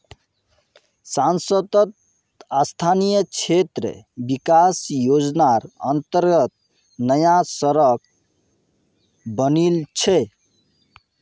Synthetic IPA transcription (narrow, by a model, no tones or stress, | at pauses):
sansət̪ət̪ | ast̪ʰanijət͡ʃʰet̪ɾə̰bikasjod͡ʒnaɾə̰nt̪əɾɡət̪̚ | nəjasəɾək | bənilt͡ʃʰɛ